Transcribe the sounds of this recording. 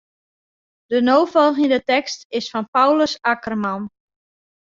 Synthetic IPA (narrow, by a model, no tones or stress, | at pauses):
d̥ənoːfɔlˠɣəndətɛkstɪsfɔnpawləsakərman